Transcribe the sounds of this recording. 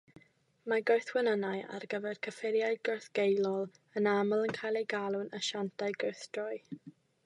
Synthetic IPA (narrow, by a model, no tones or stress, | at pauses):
maɡoɨθwɛnənaja̰rɡəvɛr̥kʰəfɪɾjajɡɔɹθɡ̥ejlˠɔlˠ | ənaməlˠənkʰajlˠejɡalˠʊnəʃantʰaɨɡowθd̥rɔj